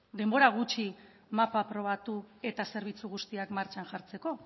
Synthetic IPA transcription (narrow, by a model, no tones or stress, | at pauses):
d̪e̞mbo̞ɾaɣ̞ut͡ʃi | mapapɾo̞β̞at̪ue̞t̪ase̞ɾβ̞it͡suɣust̪iakmaɾt͡ʃanʝaɾt͡se̞ko̞